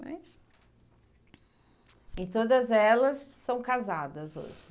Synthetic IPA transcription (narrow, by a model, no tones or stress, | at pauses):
ma̰js | ɪt̪od̪ɐzɛlɐsːɐ̃w̃kazad̪ɐzo̰ʒɪ